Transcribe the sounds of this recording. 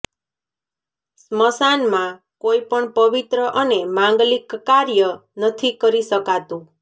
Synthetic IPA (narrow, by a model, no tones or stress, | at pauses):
sməsanmã | koipəɳpʌbit̪ɾəʔənemaŋɡlikːaɾjənʌt̪ʰikʌɾisəkat̪ũ